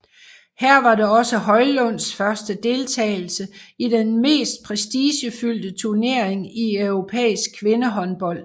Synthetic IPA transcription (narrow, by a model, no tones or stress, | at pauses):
hæɐ̰ʋɑ̈ɾeɒ̽səɦɒ̽ɪlɔ̽n̰sfɶɐsd̥əd̥e̝lt͡sʰɛ̰ːɪl̩səid̥enme̝̰ːsd̥̚pʰʁɛsd̥iɕəfyl̰d̥ət͡sʰuɐne̝ɐ̰eŋiøʊʁo̝pʰḛːisɡ̥̚kʰʋe̝nəɦɒ̽nb̥ɒ̽l̰̥